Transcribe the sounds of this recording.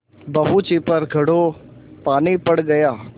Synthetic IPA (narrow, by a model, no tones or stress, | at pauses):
bɐɦut͡ʃipəɾɡʱɐɽopaːnipɐɽɡɐjaː